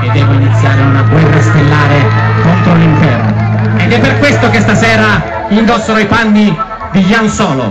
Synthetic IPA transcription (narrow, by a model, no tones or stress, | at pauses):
ed̪ːɛːvoinit̪sːjaːɾeunaɡwɛrːast̪elːaːɾekont̪ɾoliɱfɛrno̰ed̪ɛpːerkwest̪okest̪asɛːɾa | ind̪ɔsːoɾoipanːi | d̪iʎansɔːlo̰